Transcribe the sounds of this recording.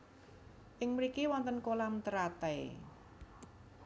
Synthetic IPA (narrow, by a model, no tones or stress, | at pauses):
ʔɪŋmɾikiwɔnt̪ənkolamt̪əɾat̪ɛj